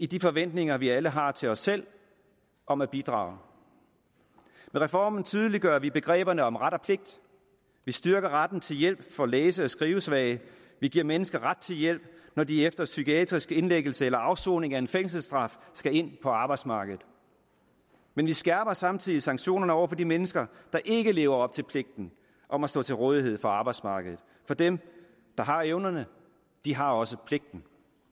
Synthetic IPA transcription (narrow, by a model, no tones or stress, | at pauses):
id̥ifɒ̽ʋen̰d̥ne̝ŋɐʋiæləɦɑ̈t͡sʰe̝lɒ̽sel̰ | ɒ̽mæb̥id̥ʁɑ̰̈ːʊ | meʁɛfɒ̰ːmn̩t͡sʰyð̞ˠəliɡ̥ɶɐʋib̥e̝ɡ̥ʁɛ̰ːb̥ɐnəɒ̽mʁad̥ɒpʰle̝ɡ̥̚d̥ | ʋisd̥ɶɐɡ̥ɐʁad̥n̩t͡sʰe̝ljel̰b̥fɒ̽leːs̬əɒsɡ̥ʁiːʊəsʋɛ̰ɪ | ʋiɡ̥iɐ̰menəsɡ̥ɐʁad̥̚t͡sʰe̝ljel̰b̥̚nɒdiefd̥ɐsykiɛd̥ʁisɡ̥e̝nleɡ̥l̩səelɐɑ̈ʊso̰ːne̝ŋæe̝nfeŋ̰s̬l̩sd̥ʁɑ̈fsɡ̥æe̝n̰pʰɒ̽ɑ̈ːb̥ɑ̈ɪd̥smɑ̈ːɡ̥əð̩ˠ | menʋisɡ̥æɐb̥ɐsɑ̈mt͡sʰið̰ˠisɑ̈ŋɡ̥ɕo̝̰ːnɐnəɒʊ̰ɐfɒ̽dimenəsɡ̥ɐd̥ɑ̈ʔe̝ɡ̥əle̝ːʊɐɒ̽b̥̚t͡sʰe̝lpʰle̝ɡ̥̚d̥n̩ | ʔɒ̽mæsd̥ɔ̰̽ːt͡sʰe̝lʁɔːð̞ˠiɦe̝ð̞̰ˠfɒ̽ɑ̈ːb̥ɑ̈ɪd̥smɑ̈ːɡ̥əð̞ð̩ˠfɒ̽d̥em | d̥ɑ̈ɦɑ̈eʊnɐnə | d̥iɦɑ̈ɒ̽səpʰle̝ɡ̥̚d̥n̩